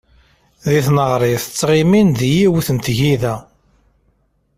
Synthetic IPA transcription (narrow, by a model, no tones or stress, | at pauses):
ðiθnəʁɾˤɪθt͡sːʁiminðijiwuθənt̪ʝiðæ